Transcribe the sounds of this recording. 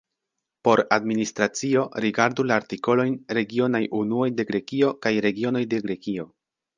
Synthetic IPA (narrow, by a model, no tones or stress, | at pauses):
po̞ɾadministɾat͡sio̞ɾiɡaɾdulaːɾtiko̞lo̞jnɾe̞ɡio̞najʔunuojde̞ɡɾe̞kio̞kajɾe̞ɡio̞no̞jde̞ɡɾe̞kio̞